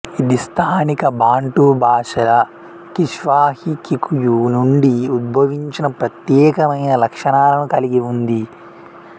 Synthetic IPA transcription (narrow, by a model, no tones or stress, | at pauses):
id̪ist̪ʰaːnikɐbʱaːɳʈubʱaːʂɐlɐ | kiʂʋaːhikikujunuɳɖiud̪̚bʱɐʋiɲt͡ʃinɐpɾɐt̪jɛːkɐmɐjnɐlɐkʂɐɳaːlɐnukɐliɡiund̪i